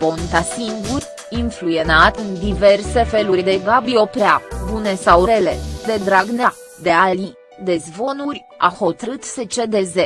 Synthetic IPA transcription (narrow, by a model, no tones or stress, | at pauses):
po̞nt̪asiŋɡurʲ | iɱfluje̞nat̪ɨnd̪iverse̞fe̞luɾʲd̪e̞ɡabio̞pɾeabune̞sawɾele̞̰d̪e̞d̪ɾaɡne | d̪e̞ali | d̪e̞zvo̞nurʲ | a̰ho̞t̪ɾɨt̪se̞t͡ʃe̞d̪e̞ze